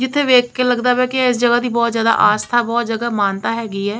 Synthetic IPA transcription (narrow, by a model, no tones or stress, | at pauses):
d͡ʒɪt̪ʰːeːʋeːkʰːkeːləɡd̪aːbɛːkɪɪsd͡ʒəɡaːd̪iːbɔːt̪zjaːd̪a̰ʔaːst̪ʰaːbɔːt̪d͡ʒəɡaːmaːnt̪aːɦɛːɡiːɦɛː